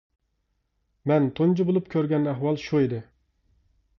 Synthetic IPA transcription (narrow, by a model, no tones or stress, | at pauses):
mɛnt̪ʰond͡ʒibolˠupkʲʰøɾɡʲɛnæɦwɑlˠʃuid̪ɪ